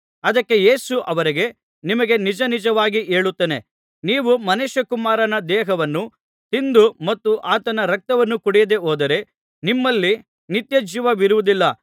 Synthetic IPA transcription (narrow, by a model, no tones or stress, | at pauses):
ɐd̪ɐkːe̞jeːsuʔɐʋɐɾiɡe̞ | nimɐɡe̞nid͡ʒɐnid͡ʒɐʋaːɡiʔeːɭut̪ːeːne | niːʋumɐneʃɐkumaːɾɐnɐd̪ɛːɦɐʋɐnːu | t̪ind̪umɐt̪ːuʔaːt̪ɐnɐɾɐk̚t̪ɐʋɐnːukuɽɛjɐd̪e̞oːd̪ɐɾe̞ | nimːɐlːi | nit̪jɐd͡ʒiːʋɐʋiɾuʋud̪ilːɐ